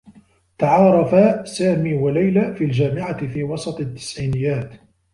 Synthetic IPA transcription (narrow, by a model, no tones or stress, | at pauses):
t̪aʕɑːɾˤɑfasaːmiːwalajlaːfiːld͡ʒaːmɪʕaɪfiːwɑsˤɑt̪ˤat̪ːɪ̥sʕiːnɪjːaːt̪